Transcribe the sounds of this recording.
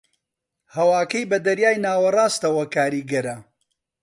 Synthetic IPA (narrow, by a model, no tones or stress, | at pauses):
hɐwaːkɐjbɐd̪ɐɾjaːjnaːwɐrˤaːst̪ɐwɐkaːɾiːɡɐɾɐ